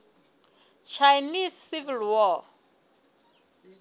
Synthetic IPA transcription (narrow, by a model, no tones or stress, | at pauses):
t͡ʃʰajnissivilwɔ